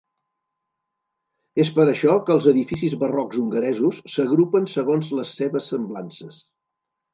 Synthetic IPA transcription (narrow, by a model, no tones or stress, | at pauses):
espəɾəʃɔkəlˠzəðifisizβərɔɡzuŋɡəɾɛzusːəɣɾupənsəɣonzləsːeβəsːəmblansəs